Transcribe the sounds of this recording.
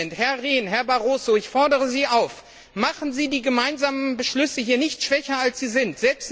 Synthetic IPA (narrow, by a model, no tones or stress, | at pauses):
nthɛɐʁeːnɦɛɐbaʁoːsoɪçfɔɐdəʁəziːaʊf | maχn̩ziːdiːɡəmaɪnzaːmənbəʃlʏsəhiːɐnɪçtʃv̥ɛçɐalsz̥iːzɪntz̥ɛlpst